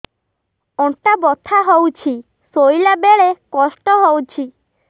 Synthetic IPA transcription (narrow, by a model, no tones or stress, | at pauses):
ɔʈabɔt̪ʰaɦowt͡ʃʰi | sojlabeɭekɔsʈɔɦowt͡ʃʰi